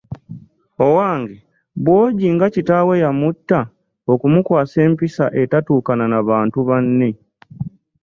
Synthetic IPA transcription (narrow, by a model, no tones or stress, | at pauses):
o̞waːŋɡe | bwo̞ːɟiŋɡacitawe̞jamutːa | o̞kumukwaːse̞ːmpisaʔe̞tatuːkananaβaːntuβanːi